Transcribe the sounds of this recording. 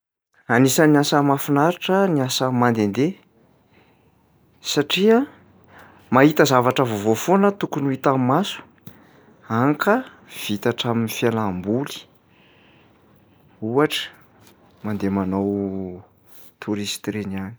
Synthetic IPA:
anisəniasəmafinaɾaʈ͡ʂəniasəmand̪end̪e | saʈ͡ʂia | maɦit̪əzavaʈ͡ʂəvovofonət̪ukunuit̪ammasu̥ | aŋkʰə | v̥it̪aʈ͡ʂaminifjalambuli̥ | uaʈ͡ʂə̥ | mand̪emanaw | t̪ʰuɾist̪ɾeniani̥

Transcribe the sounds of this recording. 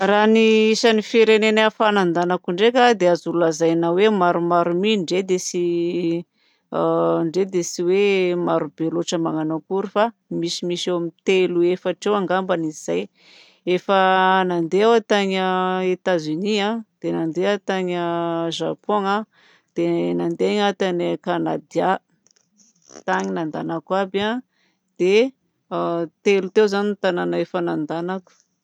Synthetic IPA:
raniisanifiɾenenafanand̪anakuɳɖ͡ʐekʲad̪eazululazajnawemaɾumaɾumiɳɖ͡ʐed̪esi | ɳɖ͡ʐed̪esiwemaɾubeloʈ͡ʂəmaŋanakuɾufa | misimisewamint̪eluefaʈ͡ʂewaŋɡambanizz̥aj | efanand̪eawat̪aɲəet̪azyniad̪̥enand̪eat̪aɲəʒapoŋa | d̪̥enand̪eɲat̪anekanad̪ia | t̪aɲinand̪anakaba | d̪̥e | t̪elut̪ewzanint̪ananaefanand̪anaku̥

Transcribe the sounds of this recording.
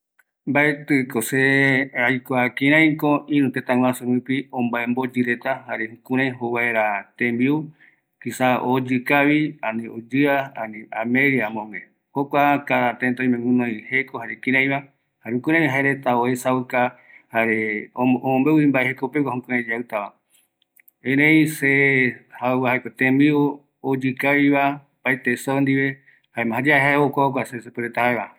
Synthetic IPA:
mbaet̪ɨkoseajkʷakĩɾãj̃koʔĩɾũt̪et̪ãw̃ãsuɾũpiõmbaembod͡ʒɨɾet̪ahaɾehũkũɾãjɦowaeɾat̪ẽmbiu | kisaod͡ʒɨkaβianĩod͡ʒɨaanĩamẽɾiamõŋẽ | hokʷakaɾat̪ent̪aĩmẽŋũnõjhekohaɾekĩɾãj̃βa | haɾeukɨɾãβiɦaeɾet̪aoesaɨka | haɾeoomõmbeuimbaehekopekahõkɨ̃ɾẽd͡ʒaɨt̪aβa | ẽɾẽĩsehauβahaekot̪ẽmbio | od͡ʒɨkaiβa | paet̪esond̪iβe | haemãɦad͡ʒaeɦaeokʷaokʷasesepɨɾet̪ahaeβa

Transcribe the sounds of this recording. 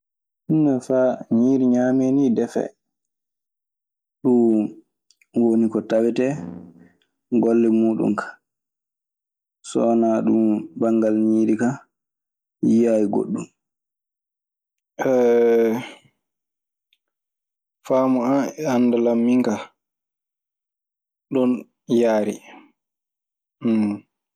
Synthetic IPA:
hinːafaɲiːɾiɲamenidɛfɛ̰ | ɗum | wonikɔtawɛtɛ | ɡɔlːɛmuːɗṵmkʰḁ | sɔnaɗumbaŋɡalɲiːɾika | jijajiɡo̰ɗːum | ɛ | faːmɔaɛandalamːiŋka | ɗɔn | jaːɾi

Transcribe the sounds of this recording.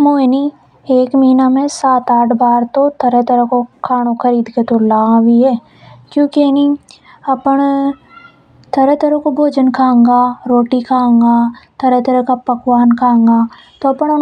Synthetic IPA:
moːni | eːkmiːnamẽsaːt̪aːʈʰbaːɾt̪ot̪ʰɐɾet̪ɐɾəkokʰaːɽ̃okʰɐɾiːd̪ket̪olaːwiɦɛː | kjõːkeni | ɐpəɽ̃ | t̪ʰɐɾət̪ɐɾəkobʱoːd͡ʒənkʰãːŋɡaːɾoːʈikʰãːŋɡaːt̪ʰɐɾət̪ɐɾəɦkapɐkwaːnkʰãːŋɡaː | t̪oɐpəɽʊn

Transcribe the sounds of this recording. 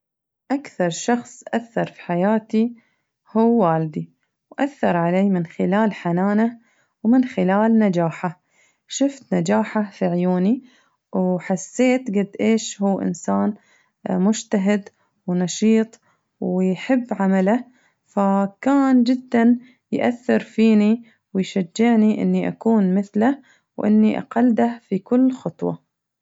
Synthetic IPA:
ʔakθɑɾˤʃɑxsˤʔaθːɑɾˤfi̥ħajaːt̪i | huːaːld̪i | wʔaθːɑɾˤʕaleːmɪnxɪlaːlħanaːna | wmɪnxɪlaːlnad͡ʒaːħa | ʃʊft̪nad͡ʒaːħafiʕjuːni | wħasːeːt̪ɡad̪ːʔeːʃhuːʔɪ̰nsaːn | mʊd͡ʒt̪aɦɪd̪ | wnɑʃiːt̪ˤ | wjħɪbːʕamala | fakaːnd͡ʒɪd̪ːan | jʔaθːɪɾfiːni | wɪjʃad͡ʒːɪʕniʔɪ̰nːiʔa̰kuːnmɪθla | wʔɪ̰nːiʔa̰qɑld̪afikʊlːxɑt̪ˤwɑ̰

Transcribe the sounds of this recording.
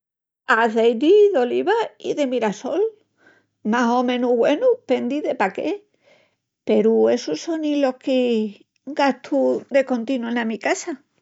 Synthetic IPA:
aθejd̪iðo̞liβaḭðe̞miɾaso̞l | maɦo̞mẽ̞nuɣwe̞nupe̞nd̪iðe̞pake | pe̞ɾue̞suso̞nilo̞hke | ɡat̪ʰud̪e̞ko̞nt̪inuenamikasa

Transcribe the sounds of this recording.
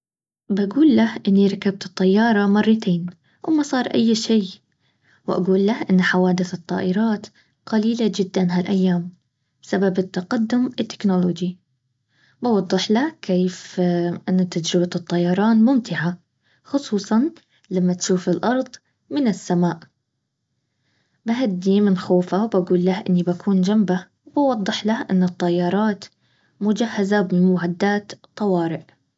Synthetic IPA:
baɡuːlːahʔɪnːiɾˤɑkːab̚t̪ɨt̪ˤːɑjːɑːɾˤɑmɑrˤːɑt̪ʰeːn | wɪmɑsˤɑːɾˤʔajːʃiː | wʔa̰ɡuːlːahʔɪnːħawaːd̪ɪθɨt̪ˤːɑ̰ːʔɪɾˤɑːt̪ | qaliːlad͡ʒɪd̪ːanɦalʔajːaːm | bsababɪt̪ːɑqad̪ːʊmɪt̪ːɪ̥knoloːd͡ʒi | bɑwɑd̪ˤːɨħlakʰeːfʔɪnːat̪ːad͡ʒɾɪbat̪ɨt̪ˤːɑjːɑɾˤɑːnmʊmt̪ɪʕa | xʊsˤuːsˤɑn | lamːat̪ʃuːfɪlʔɑɾˤðˤ | mɪnɪsːamaːʔ | baɦad̪ːimɪnxoːfawbaɡuːlːahʔɪnːibakuːnd͡ʒamba | wbɑwɑd̪ˤːɨħlaʔɪnːɨt̪ˤːɑjːɑɾˤɑːt̪ | mʊd͡ʒahːazabɪmmaʕad̪ːaːt̪t̪ˤːɑwɑːɾɪʔ

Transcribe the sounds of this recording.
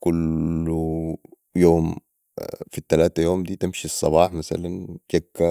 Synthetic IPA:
kulːu | joːm | fit̪ːalaːt̪ajoːmd̪iːt̪ɪmʃisˤːɑβɑːħmasa̰lanʃakːa

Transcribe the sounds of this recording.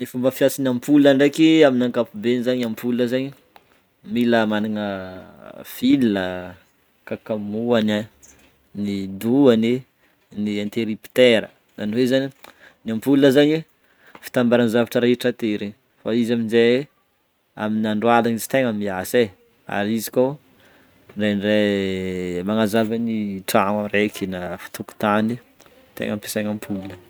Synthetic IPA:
nefumbəfiasinampulaɳɖ͡ʐekiaminaŋkapubenizaɲampʰulnəzaɲi | miləmaninə | filnə | kakamuana | nid̪uani | niant̪eɾipi̥t̪eɾə̰ | zaniwezani | niampulunəzaɲi | fi̥t̪ambaɾanizavaʈ͡ʂəɾeʈ͡ʂət̪eɾe | faizaminze | a̰minaɳɖ͡ʐwalanizi̥t̪eŋamiase | a̰ɾizikow | ɖ͡ʐenre | maŋazavəniʈ͡ʂaŋarekʰinafi̥t̪uku̥t̪ani | t̪ḛŋampe̥saŋampʰulunə

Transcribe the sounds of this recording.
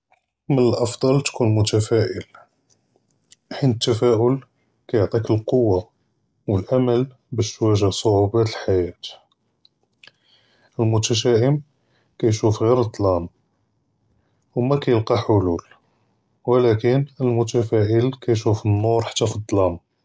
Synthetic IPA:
mənəlʔɑfd̪ˤɑlt̪kunmʊt̪æfæʔəl | ħinət̪ːæfæʔʊl | kæjoʕt̪ˤikəlqowːa | wəlʔaməl | bæʃwæʒæsˤoʕubæt̪əlħajæt̪ | əlmʊt̪æʃ̬æʔəm | kæjʃufɣiɾət̪ˤːlɑm | wmækæjəlqɑħʊlul | wəlækənəlmʊt̪æfæʔəlkæjʃ̬ufənːʊɾħḁt̪ːæfid̪ˤlɑm

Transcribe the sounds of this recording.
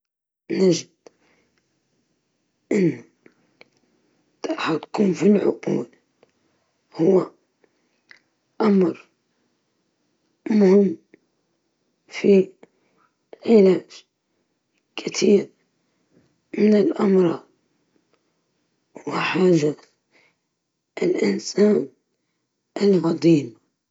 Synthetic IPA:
naʒɪd̪̚ | ʔɪnːa | t̪ħat̪kuːmfilʕʊ̰qṵːl | hʊwːa | ʔamɾˤ | mʊhɪmː | fi | ʕɪlaːd͡ʒ | kʰɪt̪ʰiːɾ | mɪnɪlʔɑmɾˤɑːd̪̚ˤ | wɪħaːʒa | ʔlʔɪnsaːn | ʔɪlɣɑd̪ˤiːm

